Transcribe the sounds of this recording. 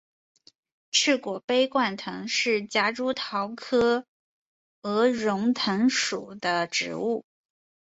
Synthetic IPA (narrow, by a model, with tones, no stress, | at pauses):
ʈ͡ʂʰɻ̩˥˩kwɔ˨˩pe˥ɪkwa˥˩nt̪ʰɤ˧˥ŋʂɻ̩˥˩t͡ɕja˥ʈ͡ʂu˥t̪ʰɑ˧˥ʊkʰɤ˥ | ɤ˧˥ɻʊ˧˥ŋt̪ʰɤ˧˥ŋʂu˨˩d̪ə˦ʈ͡ʂɻ̩̰˧˥u˥˩